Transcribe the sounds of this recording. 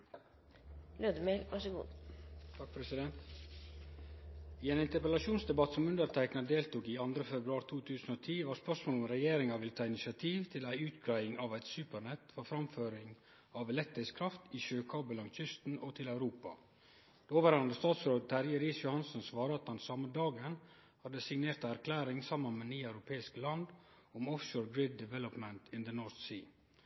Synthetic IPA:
løːd̪əmelʋɑʂəɡṵːd̪t̪ʰɑk̚pʰɾɛsɪd̪ɛnt̪ | iːeːnɪnt̪əɾpəlɑʂuːnsd̪ɛbɑt̪sɔmʉnd̪əɾt̪ʰæɪknɑd̪eːlt̪uːkiːɑnd̪ɾəfɛbɾʉɑːɾt̪ʰuːt̪ʰʉːsn̩oːt̪ʰiːʋɑːɾspœʂmoːlɔmɾɛjeːɾɪŋɑʋɪlət̪ʰɑːɪnɪsɑt̪ʰiːʋt̪ʰɪlæɪʉːt̪ɡɾæɪɪŋɑʋæɪt̪sʉːpəɾɳɛt̪fɔɾfɾɑmføːɾɪŋ | ɑʋɛlɛk̚t̪ɪskʰɾɑft̪iʃøːkʰɑːbəlɑŋt͡ʃʏst̪n̩ɔt̪ʰɪlæʉɾuːpɑ̰ | d̪̥ɛoːʋəɾɑnd̪əst̪ɑːt̪soːət̪ʰæɾjəɾiːsjʊhɑnsənsʋɑːɾəɑt̪hɑnsɑməd̪ɑːɡən | hɑd̪əsɪŋneːɾt̪ɑæɾkʰlæːɾɪŋsɑmːənmɛniːɑʉɾʊpʰeːɪskəlɑnd̪ | ʊmɔfʃoːɹɡɹɪd̪ːɪʋɛlɔpmənt̪ʰɪnd̪ənɔːɾθsiː

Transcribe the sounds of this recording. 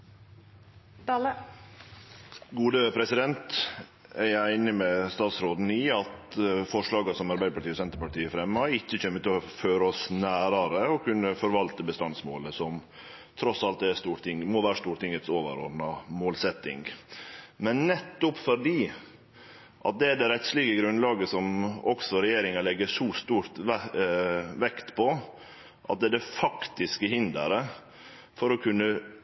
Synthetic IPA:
ɡuːd̪əpʰɾɛsɪd̪ɛnt̪ | æɪæɪnɪmɛst̪ɑːt̪sɾoːd̪n̩ɪɑt̪fɔʂɭɑːɡɑsɔmɑɾbæɪd̪əpʰɑʈʰiːɔsɛnt̪əɾpɑʈ̪iːəfɾɛmːəɑɪçːəçœmːət̪ɪɔføːɾəɔsnæːɾɑɾəɔkʉnːəfɔɾʋɑlt̪əbəst̪ɑnsmoːləsɔm | t̪ʰɾɔsɑlt̪̚d̪ɛst̪uːɾt̪ɪŋmɔʋæːɾəst̪uːɾʈ̪ɪŋət̪soːʋə̰ɾɔ̰d̪nɑmoːlsɛt̪ːɪ̰ŋɡ | mɛnːɛt̪ːʊpfɔɾɖiː | ʔɑ̰t̪̚d̪ɛæɖ̪ɛɾɛt̪slɪɡəɡɾʉnlɑːɡəsɔmɔksɔɾɛjeːɾɪŋɑlɛɡːəʂɔst̪uːɾt̪ | ʋɛkt̪pʰɔ | ʔɑ̰t̪̚d̪ɛɖ̪ɛfɑkt̪ɪskəhɪnd̪ə̰ɾə | fɔɾɔkʰʉnːə

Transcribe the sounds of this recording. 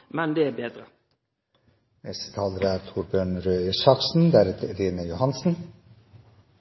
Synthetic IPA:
mɛnd̪eːæːbeːd̪ɾə | mɛst̪ə̥t̪ʰɑːləɾəæːɾt̪ʰuɾbjøːɳɾøːɪsɑksn̩d̪æɾɛt̪ʰɾeːnəjʊhɑnsn̩

